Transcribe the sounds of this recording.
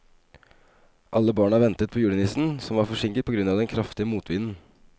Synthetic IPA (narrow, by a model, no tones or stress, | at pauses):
ʔɑlːəbɑːɳɑʋɛnt̪ət̪̚pʰɔːjʉːɖənɪsn̩sɔmʋɑɾfɔʂɪŋkət̪̚pʰɔɡɾʉnɑʋd̪ɛnkʰɾɑft̪ɪəmuːt̪ʰʋɪnn̩